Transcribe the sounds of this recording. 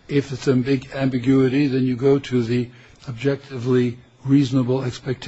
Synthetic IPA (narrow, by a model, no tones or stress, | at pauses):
ɪfɨtsɨ̃nbɪɡæ̃mbɨɡjʉɨɾiðɨ̃njɨɡoʊɾɨði | əb̚d͡ʒɛk̚tʰɨvli | ɹiznəbl̩ˠɛkspɛk̚tʰ